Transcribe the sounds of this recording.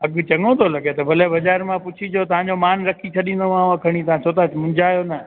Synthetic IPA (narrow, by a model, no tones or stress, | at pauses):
ɐɠt͡ɕɐŋõt̪ʰolɐɠet̪ɐbʱɐlebɐzaːɾmãpʊt͡ɕʰid͡ʑot̪ɐʋ̤ãɲ̆d͡ʑomaːnɾɐkʰit͡ɕʰɐɗĩːn̆d̪omãːʋãkʰɐɽ̃ĩt̪ɐãt͡ʃʰoːt̪amʊ̃nd͡ʑaːjonɐ